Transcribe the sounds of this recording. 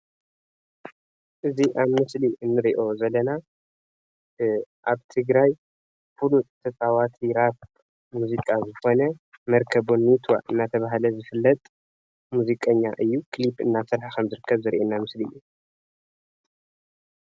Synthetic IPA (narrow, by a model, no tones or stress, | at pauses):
ʔɨziʔaβmɨsliʔɨnːɨɾiʔo̞zɐlːɐna | ʔaβt̪ʰɨɡɾaj | fulut̪ʰɐt͡sʼawat̪ʰiɾaβ | muzikʼazɨxo̞nɐmɐɾkʰɐβonːit̪ʰwa̰ʔɨnːat̪ʰɐβaɦalɐzɨfɨlːɐt̪ʼ | muzikʼɐɲːaʔɨjːukʰlipɨ̰nːasɐɾħakʰɐmzɨɾɨkːɐβzɨɾʔenːamɨsliɨ̰jːu